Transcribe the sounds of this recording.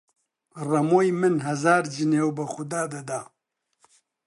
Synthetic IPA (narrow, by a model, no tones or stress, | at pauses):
rɐmoːjmɨnɦɐzaːɾd͡ʒineːwbɨxʊd̪aːd̪ɐd̪a